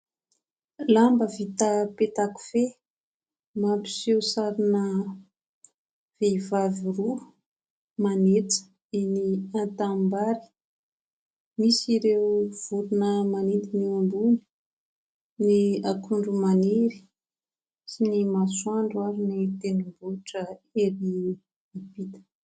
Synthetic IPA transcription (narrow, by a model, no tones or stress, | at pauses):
lambəvit̪apet̪aku̥fe | mapi̥sewsaɾinə | v̥eivaviru | manet͡sə̥ | eniant̪ambaɾi̥ | misiɾewv̥uɾunəmanind̪iniumbun | niakʰuɳɖ͡ʐumaneɾi̥ | sinimaswaɳɖ͡ʐuaɾinit̪enimbuʈ͡ʂəeɾi | ipit̪ə̥